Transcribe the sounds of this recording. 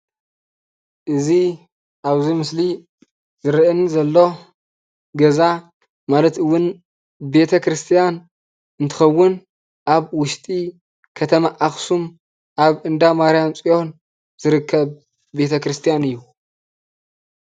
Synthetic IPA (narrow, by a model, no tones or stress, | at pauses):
ʔɨzi | ʔaβzimɨsli | z̥ɨɾɨʔɨnzɐlːo̞ | ɡɐza | malɐt̪ɨwːʊn | be̞t̪ʰɐkɾɨst̪ʰijan | ɨnt̪ʰɨ̥xɐwːʊn | ʔaβwʊʃt̪ʼi | kʰɐt̪ʰɐmaʔaxsum | ʔaβɨnd̪amaɾijamt͡sʼijo̞n | z̥ɨɾɨkʰːɐβ | be̞t̪ʰɐkɾɨst̪ʰijanɨjːu